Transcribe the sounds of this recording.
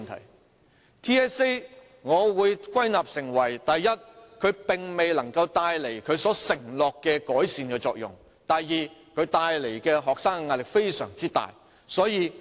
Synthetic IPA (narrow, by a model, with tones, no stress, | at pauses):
nt̪ʰɐ̰˨˩j | t̪ʰiː˥ɛː˥se˥ | ŋɔː˨˧wuː˨˧jkʷɐ˥jnaː˨p̚sɪ˨˩ŋwɐ˨˩jt̪ɐ˨jːɐ˥t̚kʰɵ˨˧ɥpɪ˨ŋme˨jlɐ˨˩ŋkɐ˧wt̪aː˧jle˨˩jkʰɵ˨˧ɥsɔː˨˥sɪ˨˩ŋlɔː˨kːɛː˧kɔː˨˥jsiː˨nkɛː˧t͡sɔː˧k̚jʊ̰˨˩ŋ | t̪ɐ˨jjiː˨˧kʰɵ˨˧ɥt̪aː˧jle˨˩jkɛː˧ɦɔː˨k̚saː˥ŋkɛ˧ŋaː˧t̚lɪ˨kfe˥jsœ̰ː˨˩ŋt͡siː˥t̪a̰ː˨j | sɔː˨˥jiː˨˧